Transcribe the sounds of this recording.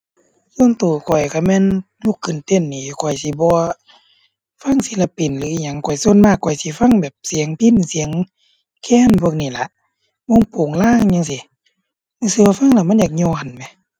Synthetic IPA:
so˧˥˨nt̪uː˨˩kʰɔ˨˩jka˧˩mɛː˧˥˨n | lu˧˨kʰːɯ˨nt̪e˧˩˨nːiː˧˩˧kʰɔ˨˩jsi˧˦bɔː˧˦ | fa˧˥˨ŋsi˧˦la˧˩pi˨˩nlɯː˨˦i˧˨ɲa˧˨ŋkʰɔ˨˩jso˧˥˨nmaː˧˩kʰːɔ˨˩jsi˧˦fa˧˥˨ŋbɛː˨˩p̚si˨˦əŋpʰi˧˥˨nsi˨˦ə˦ŋ | kʰɛː˧˥˨npʰu˧˨k̚niː˧˩la˧˦ʔ | bɔ˧˥˨ŋpoː˨˩ŋlaː˧˥˨ŋɲa˧˨ŋsi˨˧˦ | ma˧˨si˧˨wa˧fa˧˥˨ŋla˧˨ma˧˥˨jaː˨˩k̚ɲɔː˧˨nmɛ˧˦

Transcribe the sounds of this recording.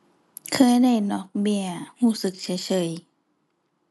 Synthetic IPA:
kʰɤː˧jda˧˥˩jnɔː˧˦k̚bi˧˩ɐhuː˧˩˨sɯ˨˦k̚t͡ɕʰa˧˦t͡ɕʰɤː˧˨j

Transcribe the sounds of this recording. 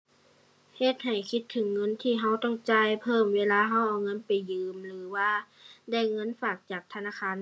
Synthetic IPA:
he˧˩t̪̚ha˨˩jkʰi˧˥t̪ʰːɯ˨˩˦ŋːɤ˧˥˨nt̪ʰiː˧˩ɦa˧˥wt̪ɔ˧˥˨ŋt͡ɕaː˧˥˨jpʰɤː˧˩˨mʋeː˧˥˨laː˧˥˨ɦa˧˥˩wʔa˧˩wŋɤ˧˥˨npa˨˩jːɯː˨˧˦mlɯː˨˦waː˧ | da˧˩jŋɤ˧˥˨nfaː˨˩k̚t͡ɕaː˨˩k̚t̪ʰa˧naː˧˥˨kʰaː˧˥˨n

